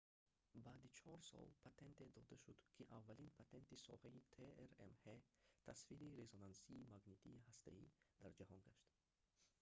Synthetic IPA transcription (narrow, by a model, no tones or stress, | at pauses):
baːd̪it͡ʃʰɔɾsɔ̰lpʰat̪ʰe̞nt̪ed̪ɔd̪aʃud̪kʰiʔavːalinpʰat̪ʰe̞nt̪isɔ̰hait̪ʰeeɾḛmhet̪ʰasfiɾiɾezonansiːmaɡnet̪ʰiːhast̪ʰa̰id̪aɾd͡ʒahɔnɡaʃt̪